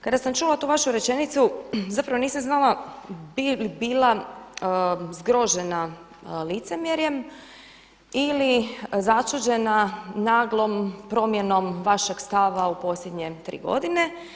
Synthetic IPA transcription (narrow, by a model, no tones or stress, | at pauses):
kad̪asamt͡ʃulˠat̪uːʋaʃuɾe̞t͡ʃe̞nit̪suzapɾaʋo̞niːsamznalˠabilibiːlˠa | zɡɾo̞ʒe̞na | lit̪se̞mjeɾje̞m | ilizat͡ʃud͡ʑe̞nanaːɡlˠo̞mpɾo̞ːmje̞no̞mʋaʃe̞ɡst̪aʋaupo̞sljʲed̪ɲet̪ɾḭːɡo̞̰d̪ine̞